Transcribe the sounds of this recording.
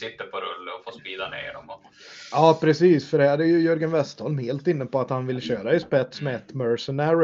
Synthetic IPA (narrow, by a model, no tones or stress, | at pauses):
sɪt̪ːəɾpʰɔɾɵlːəɾɔfoːspiːd̪anḛːɖɔmɔ | ɑːpʰɾɛsiːsfœɖɛhæɾæɾjɵjɵɾɡənvɛst̪ʰɔlmheːlt̪ɪnːəpɔat̪hanvɪlɕøːɾaɪspɛt̪smɛɛt̪ːmœɾsənæɾʊ